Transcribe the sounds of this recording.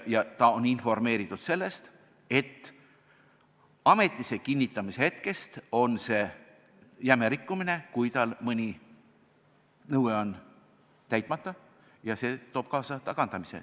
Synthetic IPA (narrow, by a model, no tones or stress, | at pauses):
jɑt̪ɑoninfo̞rme̞ːɾit̪ːˑud̪̥se̞lːe̞st̪ | e̞t̪ː | ɑme̞t̪ːˑise̞kinʲːit̪ːˑɑmisehe̞t̪ke̞st̪o̞nse̞ː | jæmeɾikːumine̞kujt̪ɑlmɤnʲi | nɤweo̞n | t̪æjt̪ˑmɑt̪ːˑɑ | jɑse̞ːt̪o̞ːb̥̚kɑːsɑt̪ɑkɑnd̪̥ɑmisḛ